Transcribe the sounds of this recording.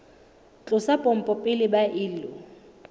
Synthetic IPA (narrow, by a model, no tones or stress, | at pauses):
t͡ɬʼʊsapʼɔm̩pʼɔpʼɪlɪbaʔɪːlʊ